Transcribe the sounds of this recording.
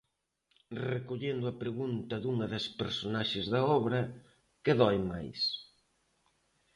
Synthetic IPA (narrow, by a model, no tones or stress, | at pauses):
rekoʎend̪ʊɐpɾeɣunt̪ɐðuŋɐðɐspeɾsonaʃɪzðɐɔβɾɐ | keðɔjmajs